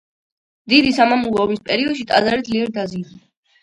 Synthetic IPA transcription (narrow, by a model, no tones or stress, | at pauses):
d̪id̪isamamulɔːbispʼɛɾiɔd̪̥ʃit̪ʼa̰zaɾid̪liɛɾd̪azi